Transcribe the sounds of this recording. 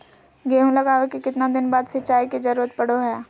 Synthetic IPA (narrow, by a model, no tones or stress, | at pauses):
ɡeːɦũlɐɡaːʋekikɪt̪nad̪ɪnbaːd̪sɐtːt͡ʃaːiked͡ʒɐɾuːɾət̪̚pɐɽ̤oɦɛː